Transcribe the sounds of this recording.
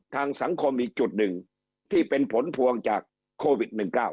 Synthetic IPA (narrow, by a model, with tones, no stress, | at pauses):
t̪ʰaː˧ŋsa˩˦ŋkʰo˧mʔiː˧t͡ɕu˨˩t̪̚nɯ˨˩ŋ | t̪ʰiː˥˩pe˧npʰo˨˩˦npʰu˧əŋt͡ɕaː˨˩kʰː | oː˧wi˨˩t̪̚nɯ˨˩ŋkaː˥˩w